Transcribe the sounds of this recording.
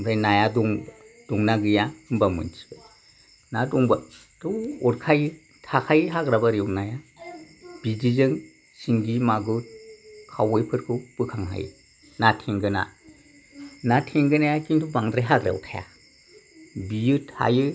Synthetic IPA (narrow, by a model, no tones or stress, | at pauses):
ŋɾajnajaduŋd̥uŋnaɡɯjaɯmbamɯ̰ntʰi̥b̥a | nadɔŋba | tʰuɔɾkʰajɯ | tʰakʰajɦaɡɾabaɾiɔŋnaja | b̥id͡ʒizɯŋ | siŋɡimaɡɯkʰawɯjpʰɯɾkʰɯbɯkʰaŋɦa̰j̰ | natʰeŋɡɯna̰ | natʰeŋɡɯnajakintʰubaŋdɾajɦaɡɾa̰wtʰaja̰ | bijɯtʰa̰jɯ